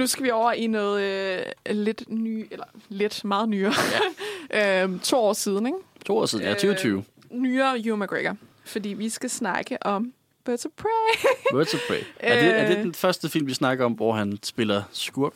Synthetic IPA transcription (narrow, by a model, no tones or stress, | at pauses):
nusɡ̥æʋiɒʊ̰ɐʔḭnɔ̽ːð̞ˠ | le̝d̥nyːelɐle̝d̥mɑ̈ːð̞̩ˠnyːɐjʔøt͡sʰo̝̰ːɒ̰ːsiːð̞ˠn̩eɡ̥t͡sʰo̝̰ːɒ̰ːsiðˠn̩jæt͡sʰyːɐt͡sʰyːʊ | nyːɐjumæɡ̥ʁeɡ̥ɐ | fɒ̽d̥ḭːʋisɡ̥æsnɑ̈ɡ̥əʔɒ̽m | ʋøsəpʰʁeʋøsəpʰʁeɪæ̥e̝æɐd̥ed̥enfɶɐsd̥əfil̰mʋisnɑ̈ɡ̥ɐɒ̽mʋɒ̰ɦænsb̥e̝lɐsɡ̥uɐ̰ɡ̥